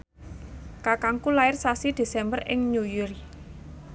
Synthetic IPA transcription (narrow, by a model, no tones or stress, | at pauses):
kakaŋkulaɪrsasid̪̥e̤sɛmbərʔɪ̰ŋɲujuɾi